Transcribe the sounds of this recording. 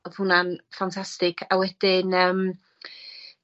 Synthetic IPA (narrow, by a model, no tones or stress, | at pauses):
ɔð̥hʊnanfantʰastɪkʰawɛd̥ɪnəːm